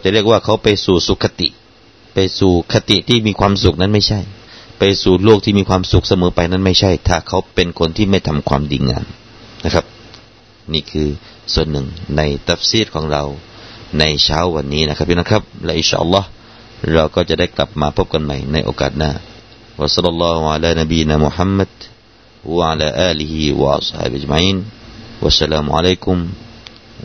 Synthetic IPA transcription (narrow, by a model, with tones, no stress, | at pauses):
wt͡ɕa˨˩ʔɾi˥˩ək̚waː˥˩kʰa˦˥wpa˧jsuː˨˩suː˨˩kʰːa˧t̪ḭ˨˩ʔ | pa˧jsuː˨˩kʰa˧t̪i˨˩t̪ʰiː˥˩miː˧kʰwaː˧msu˨k̚na˥˩nma˥˩jt͡ɕʰa˥˩jpa˧jsuː˨˩loː˥˩k̚t̪ʰiː˥˩miː˧kʰwaː˧msu˨˩k̚sa˧mɤː˨˦pa˧jna˥˩nma˥˩jt͡ɕʰa˥˩jt̪ʰaː˧˩kʰa˦˥wpe˧nkʰo˧nt̪ʰiː˥˩ma˥˩jt̪ʰa˧mkʰwaː˧mdiː˧ŋa̰ː˧n | na˦˥kʰa˦˥p̚ | niː˥˩kʰɯː˧ | su˨˩ənːɯ˨˩ŋna˧jt̪a˦˩fsiː˥˩kʰɔː˨˦ŋɾa˧wna˧jt͡ɕʰaː˦˥wːa˧nːiː˦˥na˦˥kʰa˦˥p̚jʰnɔː˥˩kʰa˦˥p̚lɛ˦˥ʔi˧nʃa̰ː˧ʔɑ̰˨lˤːɔː˦˥h | ɾa˧wkɔː˥˩t͡ɕa˨˩da˥˩jkla̰˨˩p̚maː˧pʰo˦˥p̚ka˧nma̰˧˩jna˧jʔo̰ː˧ka̰ː˨˩t̪̚naː˧˩ | wa˨sɑ˥lːɑ˧lːɑː˦˧hu˧ʕa˧laː˧na˧biː˧jnaː˧mu˨ħa˦˥mːa˧d̪̥̚ | wa˧ʕa˧laː˧ʔaː˧li˧hi˧wa̰˧ʔa̰˧sha̰ː˧˩bʔa˨d͡ʒma˧˨ʕiː˥˩˨nwa̰˧sːa˧laː˧muʕa̰˧la˦˩ku˧m